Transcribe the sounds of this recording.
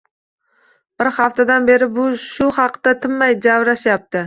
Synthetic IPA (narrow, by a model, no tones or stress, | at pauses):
b̥ɪɾhaft̪ʰad̪anbe̞ɾɪbʊʃʊhɑqt̪at̪ʰɪmːajd͡ʒavɾaʃjap̚t̪ɪ